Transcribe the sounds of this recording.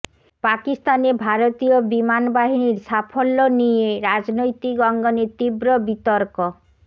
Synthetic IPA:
pakist̪anebʱaɾot̪iobimanbaɦiniɾsapʰɔlːɔnijeɾad͡ʒnojt̪iɡɔŋɡɔneɾt̪ibɾɔbit̪ɔɾkɔ

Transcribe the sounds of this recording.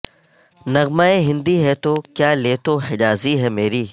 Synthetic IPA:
nɐɣmaːeɦɪ̃nd̪iɦɛt̪okjaːleːt̪ohɪd͡ʒaːziɦɛmeːɾiː

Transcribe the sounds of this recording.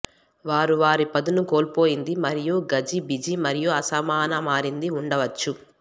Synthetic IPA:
ʋaːɾuʋaːɾipɐd̪unuko̞ːlpo̞ːjind̪imɐɾijuɡɐd͡ʒibid͡ʒimɐɾijuɐsɐmaːnɐmaːɾind̪iuɳɖɐʋɐt͡ʃːu

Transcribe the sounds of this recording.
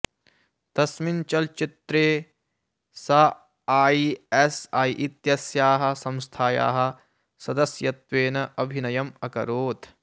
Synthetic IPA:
t̪ɐsmint͡ʃɐlt͡ʃit̪ɾeː | sɐ | aːiesaːiʔit̪jɐsjaːɦɐ̆sɐ̃mst̪ʰaːja̰ːɦɐ̆ | sɐd̪ɐsjɐt̪ʋeːnɐɐbʱinɐjɐmɐkɐ̰ɾoːt̪ʰ

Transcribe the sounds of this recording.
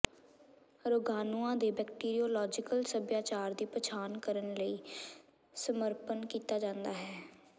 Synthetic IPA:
ɾoːɡaːnuãːd̪eːbɛːkʈiːɾioːlɔːd͡ʒɪkəlsəbjaːt͡ʃaːɾd̪iːpət͡ʃʰaːnkəɾənləiː | səməɾpənkiːt̪aːd͡ʒãːnd̪aːɦɛː

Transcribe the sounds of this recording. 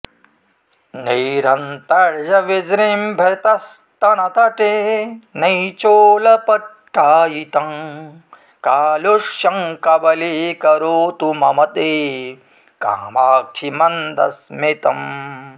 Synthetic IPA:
niɾɐnt̪ɐɾd͡ʒɐʋid͡ʒɾimbʱet̪ɐst̪ɐnɐt̪ɐʈenɐjt͡ʃoːlɐpɐʈʰːaːjit̪ɐm | kaːloʂjɐŋkɐbɐlikɐɾoːt̪umɐmɐt̪eː | ka̰ːmaːk̚t͡ʃʰimɐnd̪ɐ̰smit̪ɐm

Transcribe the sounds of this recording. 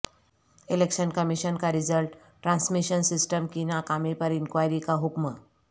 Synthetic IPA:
elekʃənkəmiɕənkaɾid͡zəlʈ | ʈɾãnsmiɕənsisʈəmkinakamepəɾinkʋajɾikaɦukmə

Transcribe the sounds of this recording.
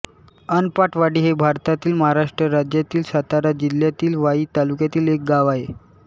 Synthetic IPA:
ənpaʈʰʋaɽiːɦebʱaɾt̪at̪iːlməɦaɾaʂʈɾəɾad͡ʑjat̪iːlsat̪aɾad͡ʑiljat̪iːlʋaiːt̪alukjat̪iːlek̚ɡaʋaɦe

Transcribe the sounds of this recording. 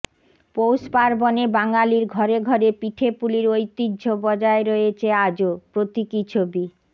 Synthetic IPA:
powspaɾbɔnebaŋaliɾɡʱɔɾeɡʱɔɾepiʈʰepuliɾojt̪ːid͡ʑːd͡ʑʱobɔd͡ʑaeɾɔet͡ɕʰead͡ʑopɾot̪ikit͡ɕʰobi

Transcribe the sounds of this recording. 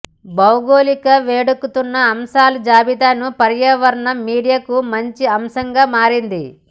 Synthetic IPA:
bɐwɡoːlikɐʋeːɽukːut̪unːɐːmsaːlud͡ʒaːbid̪aːnupɐɾjɐʋɐɾɐɳɐmiːɽijaːkumɐɲt͡ʃiɐmsɐŋɡaːmaːɾind̪i

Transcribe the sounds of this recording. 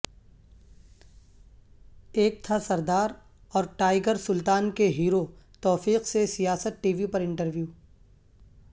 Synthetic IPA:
eːk̚t̪ʰasɐɾd̪aːɾ | ɔːɾʈaːɪɡəɾsʊlt̪aːnkeɦiːɾot̪ɔːfiːqsesijaːsət̪̚ʈiːʋipɐɾɪ̃ɳʈəɾʋjuː

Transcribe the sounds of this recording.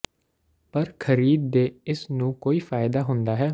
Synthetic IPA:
pəɾkʰəɾiːd̪̚ːeːɪsnũːkoːiːfʰaːɪd̪aːɦʊ̃nd̪aːɦɛː

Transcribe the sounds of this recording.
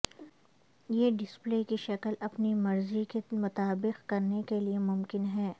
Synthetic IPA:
jeːɖɪspleːkiʃɐkəlɐpnimɐɾzikemʊt̪aːbɪqkɐɾnekeliemʊmkɪnɦɛː

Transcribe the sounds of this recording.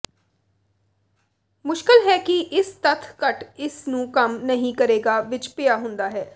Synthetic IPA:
mʊʃkəlɦɛːkɪʔɪst̪ət̪ʰkəʈɪsnũːkəmnəɦĩːkəɾeːɡaːʋɪt͡ʃpɪjaːɦʊ̃nd̪aːɦɛː

